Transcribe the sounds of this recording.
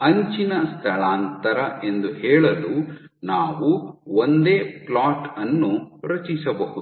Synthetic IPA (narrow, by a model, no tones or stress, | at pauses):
ɐɲt͡ʃinɐst̪ʰɐɭaːnt̪ɐɾɐe̞nd̪uhɛːɭɐlu | naːʋuond̪eːplaːʈɐnːuɾɐt͡ʃisɐbɐɦud̪